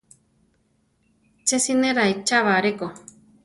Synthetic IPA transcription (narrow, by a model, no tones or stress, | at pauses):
t͡ʃesinẽɾait͡ʃaβaɾeko